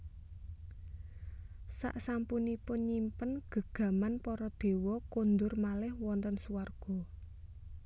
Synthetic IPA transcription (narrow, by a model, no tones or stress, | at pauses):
sa̰ʔsampunipʊnɲimpənɡ̥ə̤ɡ̥ä̤manpɔɾɔd̪̥e̤wɔkond̪ʊrmalɪhwɔnt̪ɔnsuwarɡ̥ɔ̤